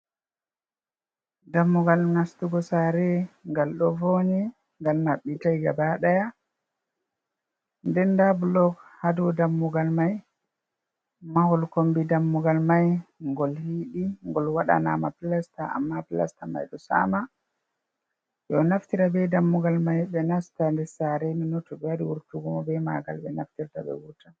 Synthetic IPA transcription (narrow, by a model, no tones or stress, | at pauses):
damːuɡalnastuɡɔsaɾɛŋɡalɗɔvoɲɛ | ŋɡalnaɓːitajɡabaɗaja | ndɛndabulɔɡhadudamːuɡalmaj | mahɔlkombidamːuɡalmajŋɡɔlhiɗiŋɡɔlwaɗa̰na̰mapilastaa̰mːapila̰stama̰jɗɔsa̰ma | jɔnaftiɾabɛdamːuɡalmajbɛnastandɛsaɾeminɔtɔɓɛaɾiwuɾtuɡɔmɔbɛmaɡa̰lɓɛnaftiɾtaɓɛ̰wuta